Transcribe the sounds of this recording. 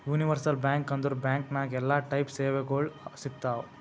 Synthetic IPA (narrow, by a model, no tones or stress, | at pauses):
juːniʋɐɾsɐlbjaːŋkɐnd̪uɾubjaːŋknaɡɛlːaːʈɐjpseːʋeɡoɭsik̚t̪aːw